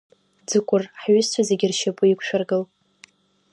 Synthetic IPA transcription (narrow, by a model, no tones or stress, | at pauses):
d͡zɨkʷʼʊrħɥʏst͡ʃʷʰazeɡʲɪrʃapʼʊikʷʰʼʃᶣarɡɨl